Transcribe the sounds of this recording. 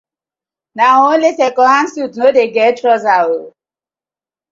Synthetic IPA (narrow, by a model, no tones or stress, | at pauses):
naɦɔlesekɔɦan̩sutnodeɡɛtɾɔzawo